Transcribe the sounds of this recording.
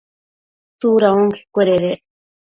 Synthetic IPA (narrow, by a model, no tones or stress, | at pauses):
suɾaõŋkʰi̥kʷeɾeɾe